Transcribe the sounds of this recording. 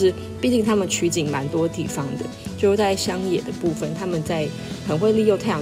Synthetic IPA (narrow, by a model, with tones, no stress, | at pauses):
ɻ̩˥˧ | pi˥˧t͡ɕi˥˩ŋt̪ʰa˥mə˨nt͡ɕʰy˧˥t͡ɕi˨˩˦nma˧˦nt̪wɔ˥t̪ḭ˨˩fɑ˥ŋd̪ə˨t͡ɕjo˥˧ʊ˥˩t͡sa˥˩ɪɕjɑ˥ŋjɛ˨˩d̪ə˦pu˥˩fə˩nt̪ʰa˥mə˨nt͡sa˥˩ɪ | xə˨˦nxwe˥˧ɪli˥˧jo˥˧t̪ʰa˥˩ɪjɑ˨˩